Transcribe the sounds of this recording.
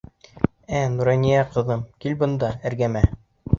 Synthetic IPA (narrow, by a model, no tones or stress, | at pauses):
ænuɾɑnijæqɤ̆ðɤmkilbɤ̆nd̪ɑæ̆ɾɡæmæ